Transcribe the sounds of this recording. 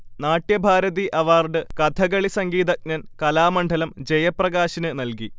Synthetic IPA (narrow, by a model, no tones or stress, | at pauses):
naːʈjɐbʱaːɾɐðiʔɐʋaːrɖɨkɐd̪ʰʱɐɣɐɭisɐŋɡiːd̪ɐk̚nɐnkɐlaːmɐɳɖʱɐlɐmd͡ʑejɐprɐɣaːɕinɨnɐlki